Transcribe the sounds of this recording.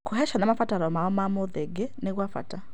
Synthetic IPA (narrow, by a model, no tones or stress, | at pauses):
kuɦɛʃanamafataɾɔmaɔmamoðeɡɛnekwafa̰ta